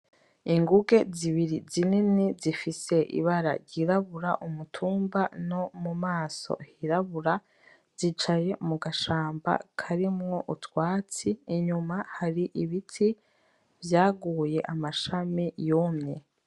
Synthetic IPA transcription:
iŋɡuɡe̞ziβiɾizininizifise̞ʔḭβaɾa̰ɾɟiɾaβuɾa̰ʔumutʰuːmbano̞mumaːso̞̰hiɾaβuɾa | z̥it͡ʃaje̞muɡaʃaːmba̰kʰaɾimŋo̞ʔutwaːt͡siːɲumahaɾiʔiβitʰi | vjaːɡuːje̞ʔamaʃamijuːmɲe

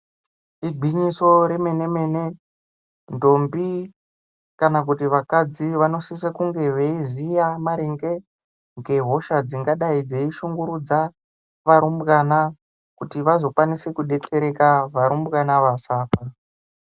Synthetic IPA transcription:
iɡʱiɲiso̞ɾe̞me̞ne̞me̞ne̞ | ndo̞mbi | kanak̬utiʋakad͡ziʋano̞sisekuŋɡe̞ʋe̞izijamaɾeŋɡe̞ | ŋɡe̞ɦo̞ʃad͡ziŋɡaɗaid͡ze̞iʃuŋɡuɾud͡za | ʋaɾumbɣana | kutiʋazo̞kwanisekuɗe̞t͡ɬe̞ɾe̞kaʋaɾumbɣanaʋasaːpa

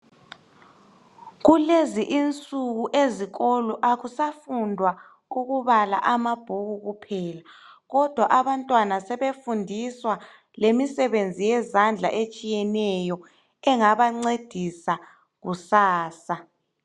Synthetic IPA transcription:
ɣuleziʔint͡sʼuɣuʔeziɣɔlɔʔaɣusafundʱwa | uɣuβala̰ʔamab̥ʱuɣuɣupʰɛːlaɣɔd̥ʱwaʔaβantʼwanasɛβefundʱiswa | lemisɛβend͡zʱijɛzand͡ɮʱa̰ʔet͡ʃʼijɛnɛjɔ | ɛŋaβaŋ͡ǀed̥ʱisa | ɣusaːsa

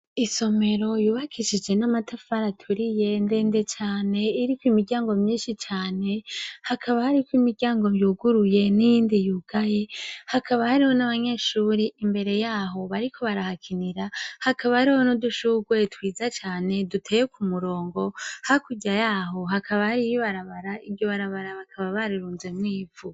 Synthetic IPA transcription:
iso̞me̞ɾo̞juːβakʰiʃid͡ʒe̞namatafaɾatʰuɾije̞nde̞ːnde̞t͡ʃaːne̞iɾikwimiɾɟaːŋɡo̞mɲiːnʃit͡ʃaːne̞hakʰaβahaɾikwimiɾɟaːŋɡo̞βjuːɡuɾuje̞nijiːndijuːɡ̥aje̞hakaβahaɾiho̞naβaɲe̞ːʃuɾiʔimbe̞ɾe̞jaːɦo̞βaɾikʰo̞βaɾahakʰiniɾahakaβahaɾiho̞noduʃuːɡwe̞twiːzat͡ʃaːne̞dutʰeːjekʰumuɾo̞ːŋɡo̞hakuɟajaɦo̞ɦakʰaβahaɾijiβaɾaβaɾaibɟo̞βaɾaβaɾaβakʰaβaβaɾiɾuːnzemŋiːvu

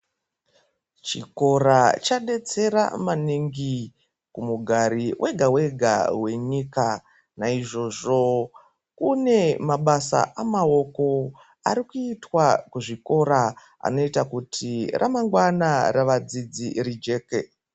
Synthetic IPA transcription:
t͡ʃiko̞ɾat͡ʃaɗe̞t͡se̞ɾa̰maniŋɡi | kumuɡʱaɾiwʔe̞ɡʱawe̞ɡʱa̰we̞ɲiːka | naiʐo̞ʐo̞ | kune̞maɓasa̰ʔamao̞ko̞ | aɾikuitwakuʐiko̞ɾa | a̰no̞itakutʰirʔa̰maŋɡwanaraʋad͡zid͡ziɾid͡ʒe̞ːke

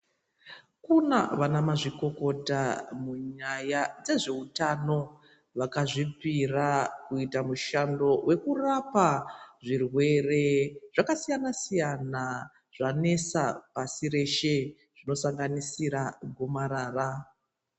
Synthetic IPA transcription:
kunaʋanamaʐiko̞ko̞tamuɲajad͡ze̞ʐe̞utano̞ | ʋakaʐipirakuitamuʃando̞wʔe̞kurapaʐirwe̞re̞ʐ̥akasijanasijana | ʐ̥ane̞sapasiɾe̞ʃe̞ | ʐ̥ino̞saŋɡanisiɾaɡʱomaɾaːra

